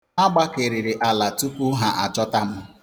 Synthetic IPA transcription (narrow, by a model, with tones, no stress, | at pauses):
a˦ɡ͡ba˦ke˨ɾɪ˨ɾɪ˨ʔa˨la˨tu˦pu˦ɦa˨ʔa˨t͡ʃɔ˦ta˦m̩˦